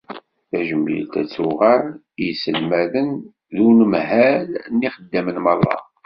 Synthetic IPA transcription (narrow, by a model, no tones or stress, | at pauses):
θæʒəmːḭlt̪æ̰t͡sːuʁəɾ | jsəlmæðən | ðunəmhælnːiχəd̪ːæmənmɑrˤːɑ̰